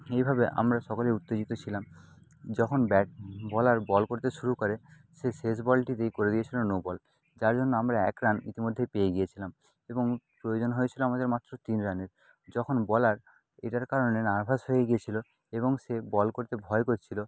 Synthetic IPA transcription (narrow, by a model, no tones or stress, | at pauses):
ejbʱabeʔa̰mɾaʃɔkaleut̪ːed͡ʑit̪ot͡ɕʰilamd͡ʑɔkʰonbɛʈ̚bɔlaɾbɔlkoɾt̪eʃuɾukoɾe | ʃeʃes̬bɔlʈit̪ejkoɾed̪ijet͡ɕʰilonobɔl | d͡ʑaɾd͡ʑonːoamɾaɛkɾanḭt̪imod̪ʱːepejeɡijet͡ɕʰilam | eboŋpɾojod͡ʑonɦojet͡ɕʰiloamad̪eɾmat̪ːɾot̪inɾaneɾ | d͡ʑɔkʰonbɔlaɾ | ḛʈaɾkaɾonenaɾbʱaʃɦojeɡijet͡ɕʰilo | eβoŋʃebɔlkoɾt̪ebʱɔekoɾt͡ɕʰilo